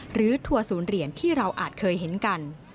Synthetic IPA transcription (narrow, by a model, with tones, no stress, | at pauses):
ɾɯː˩˦t̪ʰu˧ɐsuː˩˦nɾi˩˦ənt̪ʰiː˥˩ɾa˧wʔa̰ː˨˩t̪̚kʰɤː˧jɦe˩˦nka˧n